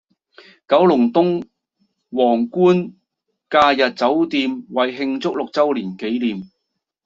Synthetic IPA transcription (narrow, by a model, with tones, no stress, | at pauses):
kɐ˨˥wlʊ˨˩ŋt̪ʊ˥ŋ | wɔː˨˩ŋkuː˥n | kaː˧jɐ˨t̚t͡sɐ˨˥wt̪iː˧mwɐ˨˩jɦɪ˧ŋt͡sʊ˥k̚lʊ˨k̚t͡sɐ˥wliː˨˩nke˨˥jliː˨m